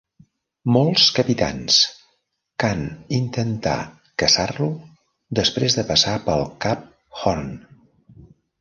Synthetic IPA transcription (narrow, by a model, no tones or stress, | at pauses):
mɔlˠskəpit̪a̰ns | kanint̪ənt̪a̰ | kəsarlu | d̪əspɾezðəpəsapəlˠkap̚ | xɔrn